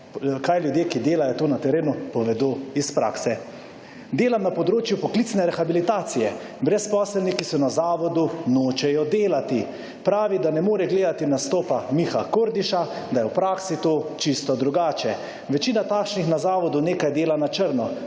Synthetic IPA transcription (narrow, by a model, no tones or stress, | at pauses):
kajljud̪jeːkid̪eːlajɔt̪oːnat̪ɛɾeːnupɔʋɛd̪oːispɾa̰ːksɛ | d̪eːlamnapɔd̪ɾoːt͡ʃjupɔklit̪snɛɾɛxabilit̪aːt̪sijɛ | bɾɛspɔːslɛlnikisɔnazaːʋɔd̪unoːt͡ʃɛjɔd̪eːlat̪i | pɾaːʋid̪anɛmoːɾɛɡleːd̪at̪inast̪oːpamixakoːɾd̪iʃa | d̪ajɛwpɾaːksit̪ot͡ʃist̪ɔd̪ɾuɡaːt͡ʃɛ | ʋɛt͡ʃiːnat̪aːkʃnixnazaːʋɔd̪uneːkajd̪eːlanat͡ʃəɾnɔ